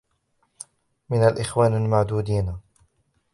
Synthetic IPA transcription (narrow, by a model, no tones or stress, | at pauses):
mɪnalʔɪxwaːnalmaʕd̪uːd̪iːn